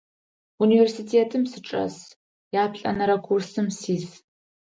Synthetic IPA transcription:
universitʰeːtʰɨmsɨʈ͡ʂʼɐ̰s | jaːpʰɬʼɐ̰nɐɾɐkʷʰursɨmsiːz

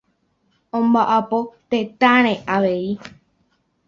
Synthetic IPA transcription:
õmbaʔapot̪et̪aɾ̃ẽʔaʋe̞i

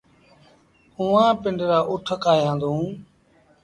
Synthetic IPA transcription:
uʋãːpɪɳɖɾaːʔʊʈʰəkaːjãːnd̪ũː

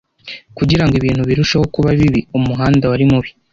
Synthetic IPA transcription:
kuɟiɾaŋɡwiβiːn̥huβiɾuʃaho̞kuβaβiβiumuɦaːndawaɾimuβi

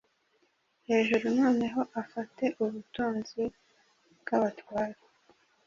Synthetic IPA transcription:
he̞ːʒuɾunoːneɦo̞ʔafate̞ʔuβutuːnzi | bɡaβatwaːɾe

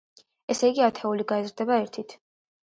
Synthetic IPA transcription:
ɛsɛiɡiat̪ʰɛuliɡaɛzɾd̪ɛbaɛɾt̪ʰit̪ʰ

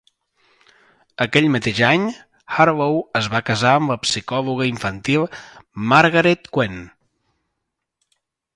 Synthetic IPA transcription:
əkɛʎmət̪eʒaɲ | xaɾlowəzβakəzaəmləpsikɔluɣ̞əiɱfənt̪ilˠmaɾɣəɾet̪kwen

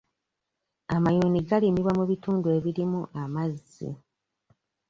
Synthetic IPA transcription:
amajuːniɡalimiβwamuβituːndue̞βiɾimuʔamaz | ḭ

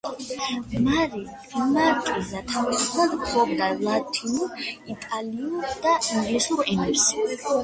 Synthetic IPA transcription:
naɾi | maɾtʼizat̪ʰavisupʰlad̪bɔɡd̪alat̪ʰinuit̪ʼaliud̪̥aiŋɡlisuɾimɛɾs

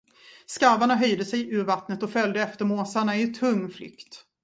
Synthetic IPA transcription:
skaɾvaɳaɦœjd̪əsɛjʔʉ̟ːɾvat̪nət̪ɔfœld̪əɛft̪əɾmoːsaɳaɪt̪ʰɵŋːflʏ̰kt̪

